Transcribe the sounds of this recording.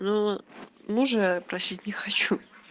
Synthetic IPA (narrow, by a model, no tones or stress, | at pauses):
no | nuʐɨjpɾɐsʲitʲnʲɪxɐt͡ɕu